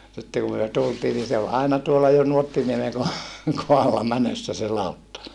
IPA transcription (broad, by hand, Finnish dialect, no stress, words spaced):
sitːe kum myø tultiː ni se ol ɑinɑ tuolːɑ nuotːiniemeŋ ko kohɑlːɑ mænøsːæ se lɑˑutːɑ